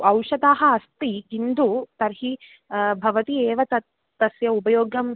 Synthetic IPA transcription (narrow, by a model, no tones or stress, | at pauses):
ɐwʂɐd̪aːɦɐɐst̪iɡind̪ut̪ɐɾɦi | bʱɐʋɐt̪ieːʋɐt̪ɐ | ɐsjɐupɐjoːɡɐm